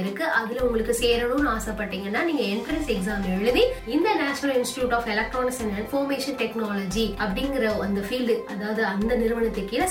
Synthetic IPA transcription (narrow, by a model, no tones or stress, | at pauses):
ɪɾɯkːɯʔɐðɪlʊŋɡɐɭɯkːɯseːɾɐɽɯnaːsɐpːɐʈːiːŋɡɐnːaːniːŋɡɐɛɳfɾɐnsɛksaːmɛɭɯʋiɪnd̪ɐnaːt͡ʃɐnɐlɪnsʈɪ̥ʈjuːʈaːfɛlɐk̚ʈɾoːnɪksɛnɐnfoːɾmeːʂɐnʈɛknaːlɐd͡ʒiɐpːɐɽɪnɡɪɾɐɐnd̪ɐfiːlɖɯɐðaːʋɐðɯɐnd̪ɐnɪɾɯʋɐnɐt̪ːɯkːɪlɐ